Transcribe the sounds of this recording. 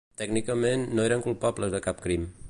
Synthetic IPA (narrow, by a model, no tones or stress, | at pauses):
t̪ɛɡnikəmenːoeɾəŋkulˠpabləzðəkap̚kɾim